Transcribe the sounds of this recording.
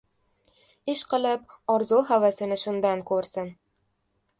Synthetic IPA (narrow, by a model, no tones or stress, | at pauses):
ɪʃqɨlˠɪp̚ɒɾzuɦavasɪnɪʃʊnd̪ankʰɵɾsɪn